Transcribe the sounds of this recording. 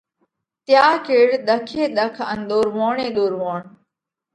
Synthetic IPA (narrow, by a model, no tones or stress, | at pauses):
t̪jaːkeːɽɗ̪əkʰeːɗ̪əkʰə̰nɗ̪oːɾmoːɳẽːɗ̪oːɾʋoːɳ